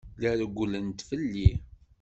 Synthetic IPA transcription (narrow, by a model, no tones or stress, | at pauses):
læɾɡʷːulənt̪fəlːi